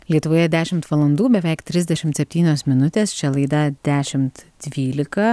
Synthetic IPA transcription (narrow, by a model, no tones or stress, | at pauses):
lʲiɛt̪ʊʋoːjɛd̪ʲæːʃʲɪmt̪ʋɐlˠɐnd̪uːbʲɛʋʲɛɪkt̪ʲɾʲɪzʲd̪ʲɛʃʲɪmt̪sʲɛpʲt̪ʲiːnʲoːsmʲɪnʊt̪ʲeːst͡ʃʲɛlˠɐɪd̪ɐd̪ʲæːʃʲɪmt̪d̪ʲʋʲiːlʲɪkɐ